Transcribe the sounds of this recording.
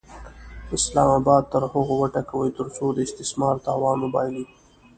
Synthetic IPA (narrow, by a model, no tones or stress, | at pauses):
ɪslɑːmɑːbɑːd̪̚t̪əɾhʊɣowəʈakawəjt̪əɾsod̪əɪst̪ɪsmɑɾt̪ɑːwɑːnmʊbɑjli